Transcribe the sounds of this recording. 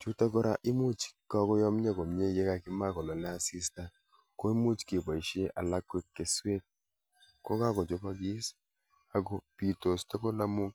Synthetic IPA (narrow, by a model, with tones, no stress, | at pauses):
t͡ʃu˦ta˦kɔ˦ɾa˦ʔɪ˦mu˦t͡ʃka˦kɔ˦jɔ˦m˦ɲa˦ko˨m˨ɲe˦˨je˦ka˨kɪ˦ma˦kɔ˨lɔ˨lɛ˦a˦si˦sta˦ | ko˦i˦mu˦t͡ʃke˨ba˨i˨ʃe˦ʔa̰˨la˦kwe˦kːe˨swe˦t̚ | kɔ˦ka˦kɔ˨d͡ʒo˦pa˦ɡɪ˦s | a˨ɡɔ˨pi˨to˨stɔ˦ko˦la˦mu˦k